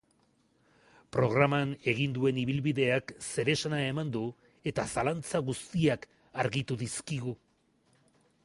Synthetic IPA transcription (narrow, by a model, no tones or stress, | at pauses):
pɾo̞ɣ̞ɾamane̞ɣind̪ue̞niβ̞ilβiðe̞akse̞ɾe̞sanae̞mand̪u | e̞t̪asalant͡saɣust̪iak | aɾɣit̪uðiskiɣu